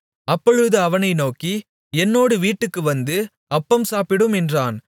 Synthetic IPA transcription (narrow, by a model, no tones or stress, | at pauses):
ɐpːɔɻɯðɯɐʋɐnɐɪnoːki | ɛnːoːɽɯʋiːʈːɯkːɯʋɐnd̪ɯ | ɐpːɐmsaːpɪɽɯmɛndraːn